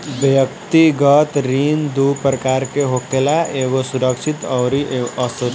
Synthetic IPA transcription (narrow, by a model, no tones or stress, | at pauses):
bjək̚t̪iɡət̪ɾind̪upɾəkaɾkeɦokʈelaʔeɡosuɾəkt͡ʃʰit̪ʌwɾiʌsu